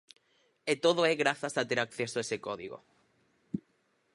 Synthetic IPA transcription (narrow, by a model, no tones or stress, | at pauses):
et̪oð̞oeɣɾaθasat̪eɾakθesoesekoðiɣo̰